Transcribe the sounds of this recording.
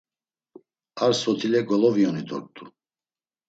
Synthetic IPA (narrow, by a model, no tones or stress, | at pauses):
aɾsɔt̪ʰilɛɡɔlɔviɔnid̪ɔ̰ɾt̪ʼu